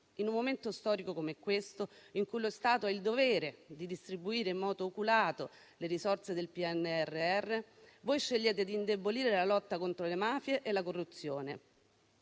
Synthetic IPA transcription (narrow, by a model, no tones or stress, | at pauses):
inumːoment̪ost̪ɔːɾikokomeɛkːwest̪oiŋkujlost̪aːt̪oɛild̪ovɛːɾed̪id̪ist̪ɾibuiːɾeimːɔːd̪oːkulaːt̪o | leɾisort̪sed̪elpiɛnːeɛrːeɛrːevojʃːeʎːeːt̪ed̪iːnd̪eboliːɾelalɔt̪ːakont̪ɾolemaːfjeʔelakorːut̪sːjoːne